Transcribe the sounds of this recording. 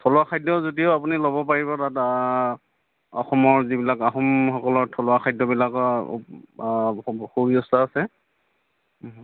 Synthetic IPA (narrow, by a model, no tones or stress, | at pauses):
tʰɔlwakʰajdɔzotioapunilobɔpaɹiβɔtat | ɔxɔmɔɹzibilakaxɔmxɔkɔlɔɹtʰɔlʊakʰajdɔbilakɔ̰ | xoɹiɔstʰaasɛ